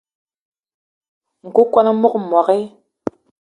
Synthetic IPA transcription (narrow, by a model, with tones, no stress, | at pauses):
ŋ̩˨ku˦kwɔ˦nə˦mɔ˦k̚mwɔ˨ɣe˦